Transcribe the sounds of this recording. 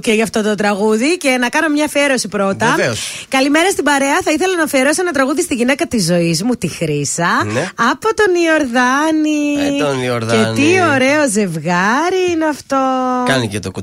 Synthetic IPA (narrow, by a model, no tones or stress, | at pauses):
ceʝɐft̪o̞t̪o̞t̪ɾɐɣuðice̞nɐkɐno̞mɲɐfieɾo̞sipɾo̞t̪ɐskɐlime̞ɾɐst̪ibɐɾe̞ɐθɐiθelɐnɐfieɾo̞senɐt̪ɾɐɣuðist̪iʝine̞kɐt̪izo̞izmut̪ixɾisɐɐpo̞t̪o̞nio̞ɾðɐninioɾet̪io̞ɾe̞o̞ze̞vɣɐɾiineɐft̪o̞kɐnicet̪oku